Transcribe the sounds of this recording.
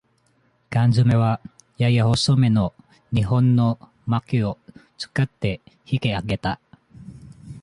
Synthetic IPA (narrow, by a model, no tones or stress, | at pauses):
kãnd͡ʒɨme̞βa | jajaosome̞no | ɲiɦõnːo | makiot͡sɨ̥kat̪ːe̞hikeaɡe̞t̪a